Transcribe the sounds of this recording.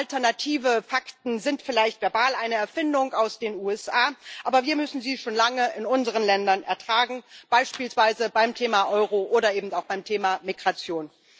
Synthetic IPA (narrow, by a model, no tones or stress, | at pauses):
ʔʔaltɛɐnatʰiːvəfaktn̩zɪntfɪlaɪçtv̥ɛɐbaːlʔaɪnəɛɐfɪndʊŋaʊsd̥eːnuːɛsʔaːʔaːbɐviːɐmʏsn̩ziːʃoːnlaŋəɪnʊnzəʁ̞ənlɛndɐnʔɛɐtʁ̥aːɡŋ̩b̥aɪʃpiːlsv̥aɪzəbaɪmtʰeːmaʔɔʏʁoʔoːɾɐeːbm̩taʊxb̥aɪmtʰeːmamiɡʁat͡sjoːn